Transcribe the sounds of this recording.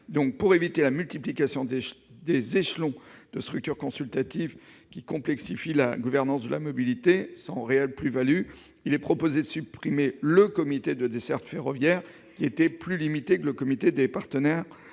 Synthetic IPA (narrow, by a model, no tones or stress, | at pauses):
d̪ɔ̃k̚puʁevit̪elamylt̪iplikasjɔ̃d̪d̪ezeʃlɔ̃d̪̥əst̪χyk̚t̪yʁkɔ̃sylt̪at̪ivkʲikɔ̃plɛksifila̰ɡuvɛʁnɑ̃sd̪əla̰mɔbilit̪esɑ̃ʁeɛlplyvaly | ilɛpχɔpozed̪əsypχimeləkɔmit̪ed̪əd̪esɛʁt̪feʁɔvjɛʁ | kʲiet̪ɛplylimit̪ekələkɔmit̪ed̪epaʁt̪ənɛʁ